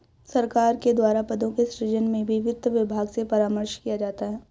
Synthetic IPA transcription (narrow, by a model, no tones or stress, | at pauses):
sɐɾkaːɾked̪waːɾapɐd̪õkesɾɪd͡ʒənmẽbʱiʋɪd̪ʱʋɪbʱaːɡsepɐɾaːməɾʃkijad͡ʒaːt̪aɦɛː